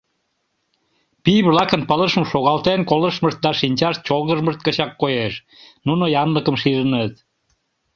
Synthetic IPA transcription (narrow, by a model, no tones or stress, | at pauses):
pijβlɑkənpələʃməʃoɣɑlt̪enkoləʃməʃt̪̚d̪ɑʃinʲt͡ɕɑʃt̪̚t͡ɕolɣəʒməʃt̪̚kəɕɑkːojeʃ | nunojɑnləkəmʃiɾənət̪